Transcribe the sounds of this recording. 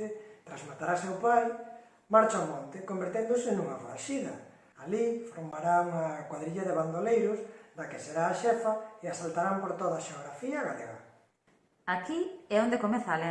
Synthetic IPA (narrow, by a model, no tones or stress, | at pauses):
ɪt̪ɾazmat̪aɾasewpaj | maɾt͡ʃaomɔnt̪ɪkombeɾt̪end̪ʊsɪnuŋafɾa̰ʃiðɐ | alifoɾmaɾaŋakwaðɾiʎaðeβand̪olejɾʊsd̪akɪseɾaːʃɛfaeasalt̪aɾampoɾt̪oðaʃeoɣɾafiaɣaleɣa̰ | akiɛõnd̪ekomeθale